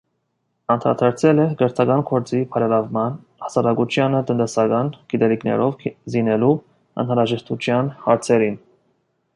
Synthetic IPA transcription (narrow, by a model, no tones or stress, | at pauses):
ɑnt̪ʰɾɑ̰t̪ʰɑɾt͡sʰɛlɛɡəɾt̪ʰɑɡɑnkʰɔɾt͡sipʰɑɾɛlɑvmɑn | hɑsɑɾɑkut͡ʃʰjɑnət̪ənt̪ɛsɑɡɑnkit̪ɛliknɛ̰ɾɔvzinɛlu | ɑ̰nhɑnɾɑʒɛʃt̪ut͡ʃʰjɑnhɑɾt͡sʰɛɾin